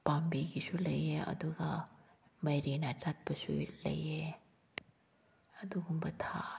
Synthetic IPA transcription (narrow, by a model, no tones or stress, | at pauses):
pambiɡisulɐjeɐ̰d̪uɡa | mɐjɾinat͡ʃat̚bɐsṵlɐ̰je | ɐd̪uɡumbɐtʰa